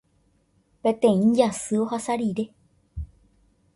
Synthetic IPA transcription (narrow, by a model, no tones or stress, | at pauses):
pẽt̪ẽ̞ĩnd͡ʒasɨohasaɾiɾe